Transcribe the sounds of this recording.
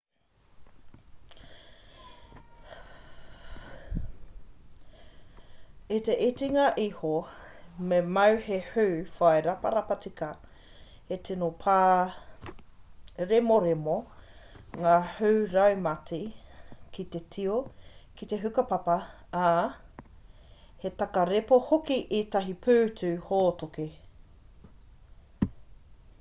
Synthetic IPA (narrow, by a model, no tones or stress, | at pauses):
it̪eʔitiŋaʔihomemɐwhehʉwfɐeɾɐpɐɾapatikɐ | hetʰinopʰa | ɾemoɾemo | ŋaːhʉwɾɐwmɐtikit̪etʰiokit̪e̞ɦʉkɐpɐpɐ | a | het̪ɐkɐɾepohokiʔit̪ɐɦipʰʉːtʰʉːhoːtoke